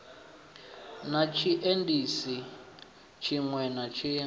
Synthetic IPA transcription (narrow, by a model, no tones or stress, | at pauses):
nat͡ʃʰiʔendisi | t͡ʃʰiŋwɛnat͡ʃʰi